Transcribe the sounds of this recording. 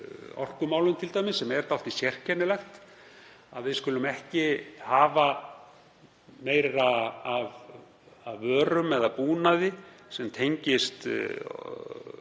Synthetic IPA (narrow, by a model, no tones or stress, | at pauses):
ɔ̰r̥kʏmaːwlʏmt̪ʰɪlt̪ajmɪsːɛmɛɾt̪awft̪isjɛr̥cʰɛnːɪlɛxt̪ | a̰ðvɪðskʏːlʏmɛhcɪhaːva | meːjɾaːv | aðːœːɾʏmɛðapuːnaðɪsɛmt̪ʰejɲcɪst̪